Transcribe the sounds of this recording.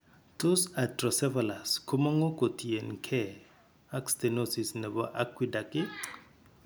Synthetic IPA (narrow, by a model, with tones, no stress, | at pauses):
to˦sa˨trɔ˨sɛ˦vala˨skʰu˦mɔ˦ŋo˦kʼo˨tʰʼi˨ɛ˨nkʰɛ˦˨ | a˦kstɛnosi˨snɛ˨bɔ˦ʔa˦kʰʼwi˦da˨kʼɪ˦